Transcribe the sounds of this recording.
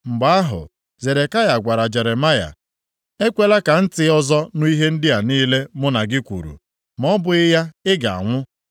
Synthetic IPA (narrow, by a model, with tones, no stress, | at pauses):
ŋ͡m̩˨ɡ͡ba˨a˦ɦʊ̰˨ | ze˨ɾe˨ka˦ja˨ɡʷa˨ɾa˨d͡ʒe˨ɾe˨ma˦ja̰˨ | e˦kʷe˦la˦ka˨n̩˦tɪ˨ɔ˦zɔ˦nʊ˦i˦ɦe˦n̩˦dɪ˦a˨niː˦le˦mʊ˦na˨ɡɪ˦kʷṵ˨ɾṵ˨ | mɔ˦bʊ˨ɪ˦ja˦ɪ˦ɡa˨a̰˨ŋʷʊ˦